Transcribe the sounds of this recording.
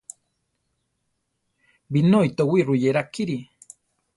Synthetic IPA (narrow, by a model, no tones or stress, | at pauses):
binojt̪owiɾujeɾakiɾi